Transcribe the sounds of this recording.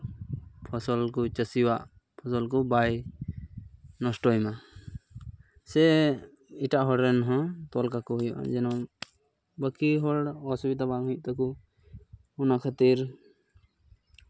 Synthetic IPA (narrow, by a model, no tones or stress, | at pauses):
pʰɔsɔlkut͡ʃəsiwaʔ | pʰɔsɔlkɔbaj | nɔsʈɔjma | sɛ | iʈaʔɦɔɽɛnɦɔ̃t̪ɔlkakɔɦujɔʔa̰d͡ʒɛnɔ | bəkiɦɔɽɔsubid̪abaŋuuʔ̚t̪ɔku | unakʰat̪iɾ